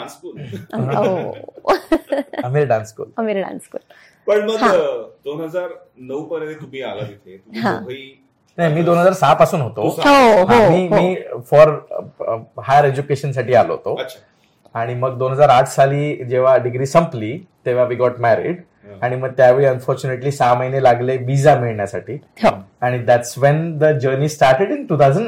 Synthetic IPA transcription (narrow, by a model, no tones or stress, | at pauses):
anskuːlɦo | əmiːɾɖanskṵːləmiːlɖã̰nskul | pəɳməɡɦãd̪onɦəd͡zaɾ | nəwpəɾẽet̪umiːaləd̪it̪ʰet̪uiɦã̰õɦi | najmiːd̪onɦəd͡zaɾsapasuːnɦot̪oɦoɦaoimiːɦmiːfɔɾ | hajəɾed͡ʑukeɕənsaʈiːalo̰ɦo̰t̪oəɕʰa | aɽ̃iməɡd̪onɦəd͡zaɾaʈʰsaliːd͡ʑeʋ̤aɖiɡɾiːsə̃mpliːt̪eʋ̤aʋiːɡɔʈmæɾḭɖ | aɽ̃iməɡ̚t̪jaʋeɾiənfɔɾt͡ɕuneʈliːsaməɦinelaɡleʋid͡zamiɭɳjasa̰ʈʰiːɦoaɽ̃id̪æʈsʋɛnd̪əd͡ʑəɾniːsʈaɾʈeɖĩnʈuːt̪ʰad͡zəɳ